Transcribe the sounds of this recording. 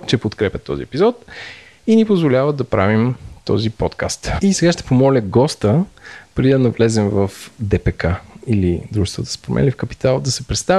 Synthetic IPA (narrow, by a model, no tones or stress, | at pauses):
t͡ʃɛpot̪kɾɛpʲət̪ːɔ̰zḭɛpizɔt̪ | inipozvolʲavət̪̚d̪ɐpɾa̰vimt̪ɔ̰zipɔt̪ka̰st̪isɛɡaʃt̪ɛ̥pomɔlʲəɡɔst̪əpɾɛd̪id̪ɐnɐvlɛzɛmvəfd̪ɛpɛkailid̪ɾuʒɛst̪vət̪ə̥spɾomʔɛ̰lifkɐpi̥t̪alˠd̪ɐsɛpɾɛt̪st̪a